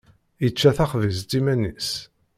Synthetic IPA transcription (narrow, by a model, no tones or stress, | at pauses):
jət͡ʃːæθæχvizt̪imænis